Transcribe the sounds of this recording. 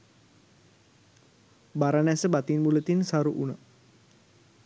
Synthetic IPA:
baɾanɛsəbat̪inbulət̪insaɾuʔuna

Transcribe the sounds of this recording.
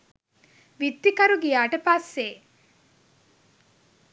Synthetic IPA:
ʋit̪ːikɐɾuɡijaːʈəpasːeː

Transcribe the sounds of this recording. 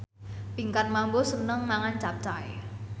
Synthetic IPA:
piŋkan̚mambosənəŋmaŋant͡ʃap̚t͡ʃaj

